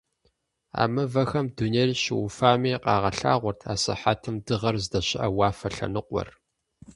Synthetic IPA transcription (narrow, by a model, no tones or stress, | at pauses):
a̰ːmɨvɐxɐmdunerɕɪwʊfaːmiːqʼɑːʁɐɬa̰ːʁʷɔrtʰaːsɐ̰ħatʰɨmdɨʁɐrzdɐɕɪʔɐwaːfɐɬɐ̰nɨqʷɔ̰r